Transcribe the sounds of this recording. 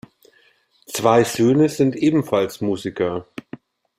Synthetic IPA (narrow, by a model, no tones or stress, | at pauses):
t͡sv̥aɪzøːnəzɪntʔeːbm̩falsmuːzɪkɐ